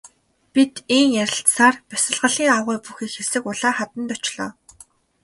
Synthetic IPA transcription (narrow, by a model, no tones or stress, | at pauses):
pit̪iŋjæɾʲɪ̆ɬt̪saːrpæsə̆ɮʁə̆ɮiːŋawʁʊːpuxiːkxesɘ̆kʊɮaːχat̪ə̆nt̪ɔt͡ɕɮɔ̰ː